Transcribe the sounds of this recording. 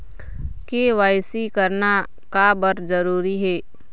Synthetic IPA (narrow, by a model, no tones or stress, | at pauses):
keʋaːɪsikəɾna | kabəɾd͡ʒəɾuːɾiɦɛː